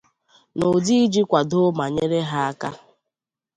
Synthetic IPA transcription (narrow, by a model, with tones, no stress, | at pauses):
no˨di˦d͡ʒi˦kʷa˨do˦ma˨ɲe˦ɾe˦ɦa˦a˦ka̰˦